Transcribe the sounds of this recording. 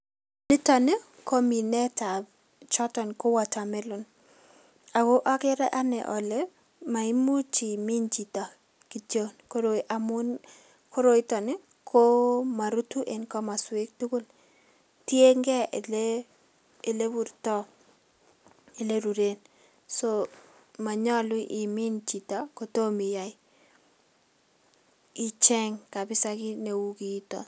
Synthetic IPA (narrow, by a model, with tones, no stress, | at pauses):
nɪ˦tɔ˨nɪ˦ | ko˦mi˨nɛ˦ta˨b | t͡ʃɔ˦tɔ˨nko˦wa˨ta˨mɛ˦lʊ˨n | a˨ko˦ʔa˦kɪ˦ɾɛ˦ʔa˦nɛ̰˨ʔɔ˨le˦ | ma˨i˦mu˦t͡ʃi˨mi˦nd͡ʒi˨ta˨ | ki˨to˦nko˦ɾo˨ʔa˨mʊ˦n | kʰo˦ɾo˨ɪ˦tɔ˨nɪ˦ | kʰo˦ma˨ɾu˦tu˦ʔe˨nkɔ˦ma˨swɪ˦k̚tu˦ko˦l | tje˦ŋɡɛ˦˨leː˦˨ | le˦bu˨ɾtɔ˦ | ɪ˨le˦ɾu˨ɾe˨n | so˦ | ma˨ɲɔ˦lwʊ˦ʔi˨mi˦nt͡ʃi˨ta˨ko˨to˦mi˨ja˨j | ɪ˦t͡ʃɛ˦ŋka˨bɪ˦sa˦kɪ˦ne˨wu˦ki˨˦tɔ̰˨